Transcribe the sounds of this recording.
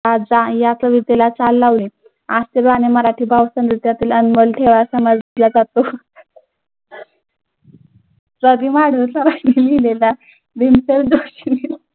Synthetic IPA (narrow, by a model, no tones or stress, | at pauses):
ad͡zajat͡səʋit̪elat͡salːaʋli | ast̪eɾbaneməɾaʈʰiːbʱaʋsənɾit̪jat̪iːlənməlʈʰeʋasəmad͡z̪lad͡zat̪o | t͡səɡ̪imaɽ̤ut͡saɾajnimilela | d̪inseɾd̪oɕinil